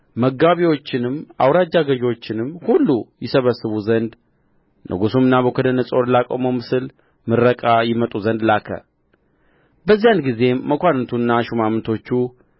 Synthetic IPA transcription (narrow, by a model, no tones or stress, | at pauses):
məɡaβiwo̞t͡ʃːɪnɨma̰wɾad͡ʒːaɡəʒwo̞t͡ʃːɪnɨmhulːujɪsəβəsːɨβuzənd̪ | nʔɨ̰ɡusumɨnːaβəkʰəd̪ənəsʼo̞ɾlakʼo̰məmɨsɨl | mɨɾːəkʼajɪmət̪ʼuzənd̪lakʰə̰ | bəzːijanɡize̞məkʷanɨt̪ʰunːaʃumamɨnt̪ʰo̞t͡ʃːu